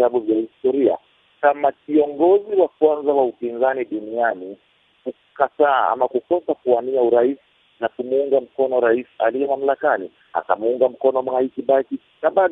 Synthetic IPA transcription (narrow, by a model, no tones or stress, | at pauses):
aɓuvjahistɔɾia̰ | kamakiɔŋɡɔziwakwanzawaupinzaniɗuniani | ku | kataːa̰makukɔsakuwaniauɾaisi̥ | nakumuuŋɡam̩kɔnɔɾaisa̰lijɛmam̩lakani | a̰ka̰muuŋɡam̩kɔnɔmwaikiɓaki | naɓaɗ